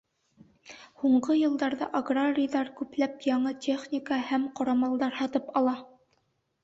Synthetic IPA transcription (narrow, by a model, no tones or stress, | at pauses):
huɴɢɤjɤ̆lˠd̪ɑɾðɑʔɐɡraɾʲɪjðɑɾkʉplæpjɑɴɤtʲʰeχnʲɪkəhæmqŏɾɑmɑlˠd̪ɑɾhɑt̪ɤpɑlˠɑ